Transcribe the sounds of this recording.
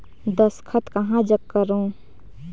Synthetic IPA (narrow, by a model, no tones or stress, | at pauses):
d̪əskʰət̪kɐɦãd͡ʒəkːəɾõː